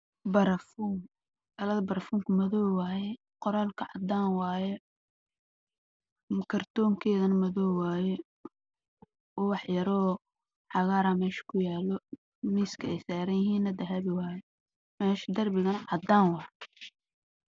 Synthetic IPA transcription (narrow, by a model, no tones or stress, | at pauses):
bɐɾɐfuːŋ | ɐlɐðɐbɐɾfuːŋkʰʊmɐðɔwaːjɛ | qɔɾaːlkʰɐʕɑ̰d̪aːnwaːjɛ | kʰɐrt̪ʰɔːŋkʰɛːðɐnɐmɐðɔːwwaːjɛ | ɔwɑħjɐɾɔː | ʕɑɣaːɾamɛːʃɐ̥kʰʊjaːlɔ | miːskʰɐɛjsaːɾɐnjɪɦiːnːɐd̪ɐɦɐβɪwaːjɛ | mɛːʃɐd̪ɐrbɪɣɐnɐʕɑd̪aːnwɑː